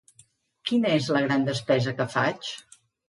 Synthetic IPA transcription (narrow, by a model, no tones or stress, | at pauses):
kinəezləɣɾand̪əspɛzəkəfat͡ʃ